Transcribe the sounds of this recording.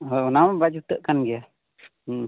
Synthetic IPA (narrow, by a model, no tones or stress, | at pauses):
ɔɔnambad͡ʒut̪əʔkanɡɛja